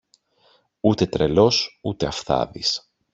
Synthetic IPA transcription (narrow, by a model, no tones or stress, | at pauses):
ut̪e̞t̪ɾe̞lo̞sut̪e̞ɐfθɐ̰ðis